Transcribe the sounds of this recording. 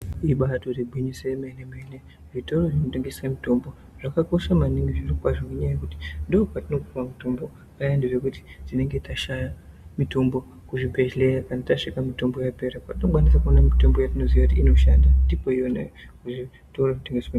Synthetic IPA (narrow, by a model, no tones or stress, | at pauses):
iɓato̞riɡʱwiɲisemenemene̞ | ʐito̞ro̞ʐino̞teŋɡeswamito̞mbo̞ | ʐ̥akako̞ʃamaniŋɡiʐirokwaʐomeɲajajekuti̥ndopatino̞kumamito̞mbo̞ | ajandeʐe̞kuti̥tine̞ŋɡe̞taʃajamito̞mbo̞ | kuʐibʱe̞ʒle̞jakanataʂikamito̞mbo̞jape̞ɾakatino̞kwanisakuonamito̞mbo̞jatino̞ziʋakutiino̞ʃandandipo̞ijonḛkuʐi | toramiteŋɡese